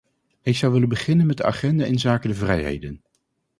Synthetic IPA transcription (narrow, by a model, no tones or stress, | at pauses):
ɦɪjz̥ɑwʋɪlənbəχɪnənmɛt̚dəa̰χɛndaːɪnzaːkədəvrɛjɦḛjdən